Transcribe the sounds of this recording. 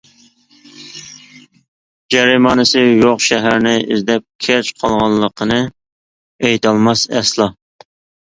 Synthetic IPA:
d͡ʒɛɾimɑːnɨsɨjoqʃɛɦæɾnɪʔɪzd̪ɛp̚kʲʰæɾt͡ʃqʰɑlˠʁɑlˠːəqʰənɨ | ejt̪ʰɑlˠmɑsɛ̰slˠɑ

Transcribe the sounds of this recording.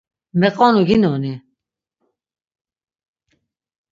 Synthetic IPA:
mɛqʼɔnuɡinɔni

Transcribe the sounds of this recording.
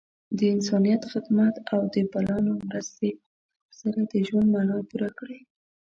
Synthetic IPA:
d̪əɪnsɑnijat̪xɪd̪mat̪awd̪əbalɑnomɾəst̪e | saɾad̪əʒwand̪maɳɑpuɾakɽe

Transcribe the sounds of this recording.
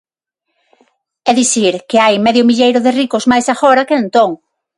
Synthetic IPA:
ɛðiθiɾkeajmɛðjʊmiʎejɾʊðɪrikʊzmajsaxɔɾɐkeent̪oŋ

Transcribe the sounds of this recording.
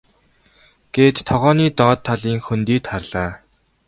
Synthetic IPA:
ɡ̥eːt̪ːʰɔʁɔːniːt̪ɔːt̪ʰːaɮiːŋxɵnt̪iːt̪χarɮ̥aː

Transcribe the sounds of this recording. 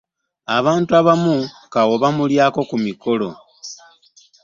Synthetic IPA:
aβaːntuaβamukawo̞βamuljaːko̞kumiko̞lo̞

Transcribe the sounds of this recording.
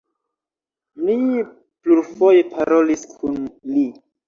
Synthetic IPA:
mi | pluɾfo̞jepʰaɾoliskʰunli

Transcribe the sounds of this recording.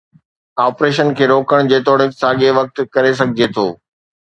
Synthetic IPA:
aːpɾeːʃ̬ənkʰeːɾoːkəɽ̃d͡ʑeːt̪ɔːɽɪ̃saːɠeʋɐk̚t̪kɐɾes̬ɐɡʱɪd͡ʑet̪ʰo̰ː

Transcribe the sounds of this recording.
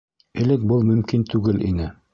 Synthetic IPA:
ɘ̆lɘk̚bɤlˠmɵ̆mkint̪ʉɡɘlʔḭnɘ

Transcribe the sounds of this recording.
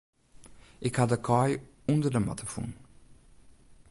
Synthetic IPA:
ikad̪ɐkɔj | ũnd̪əɾɐma̰t̪ʰɐfṵn

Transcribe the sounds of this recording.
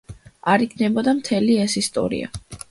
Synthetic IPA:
aɾikʰnɛbɔd̪amt̪ʰɛliɛsist̪ʼɔ̰ɾḭa̰

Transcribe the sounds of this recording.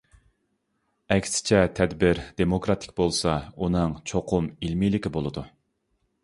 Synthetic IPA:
ɛkʲsɪ̥t͡ʃʰɛt̪ʰɛd̪bɪɾd̪̥emokɾɑt̪ʰɪ̥k̚ʲbolˠsɑunɨŋt͡ʃʰoqʰʊmilmilɪkʲibolˠɨd̪u

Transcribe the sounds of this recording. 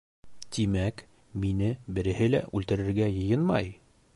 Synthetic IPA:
t̪imæk | minɘbɘ̆ɾɘ̆hɘlæ̰ʔʉlt̪ɘ̆ɾɘ̆ɾɡæjɤ̆jɤnmɑ̰j

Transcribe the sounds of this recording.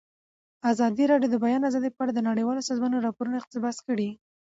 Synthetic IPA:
azɑd̪iɾɑɖjod̪əbajɑnazɑd̪epəaɽad̪ənaɽəjwɑlosɑzmɑnoɾɑpoɾunaɪq̚t̪ɪbɑskəɽi

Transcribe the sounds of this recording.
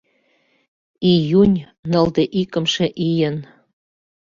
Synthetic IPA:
ijunʲ | nɤ̆ld̪eʔikə̆mʃĕʔijən

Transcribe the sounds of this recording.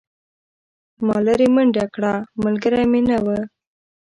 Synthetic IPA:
mɑləɾiməɳɖakɽaməlɡəɾamenawə

